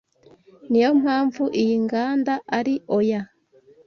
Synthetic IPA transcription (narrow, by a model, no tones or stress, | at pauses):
nijo̞m̥haːɱvuʔijiŋɡaːndaʔaɾiʔoja